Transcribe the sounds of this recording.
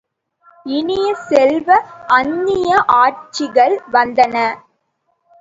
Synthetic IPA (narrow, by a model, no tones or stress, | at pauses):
ɪnɪjɐsɛlʋɐʔɐɲːɪjjɐʔaːʈ̚t͡ʃːɪɣɐɭʋɐnd̪ɐnɐ